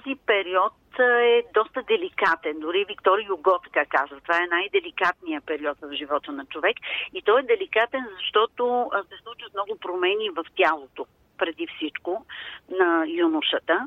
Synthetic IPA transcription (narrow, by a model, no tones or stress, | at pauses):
t̪ɔzipɛɾiɔt̪ɛd̪ɔst̪əd̪ɛlikat̪ɛnd̪ʊɾivikt̪ɔɾijʊɡɔt̪ɐkakazvət̪ovaɛnajd̪ɛlikat̪nijəpɛɾiɔt̪vɐvʒivɔt̪onɐt͡ʃovɛkit̪ɔɛd̪ɛlikat̪ɛnzɐʃt̪ɔt̪osɛslˠut͡ʃət̪mnɔɡʊpɾomɛnivɐft̪ʲjalˠot̪o | pɾɛd̪ifsit͡ʃkonɐjunuʃət̪ə